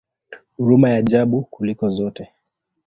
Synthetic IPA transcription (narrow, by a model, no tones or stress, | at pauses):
huɾumajaʄaɓukulikɔzɔtɛ